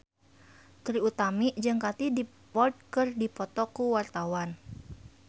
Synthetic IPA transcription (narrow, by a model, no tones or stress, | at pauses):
t̪ɾiut̪amiʔd͡ʒɨŋkat̪idi | pɔrd̪̚kɨrdipɔt̪ɔkuwart̪awan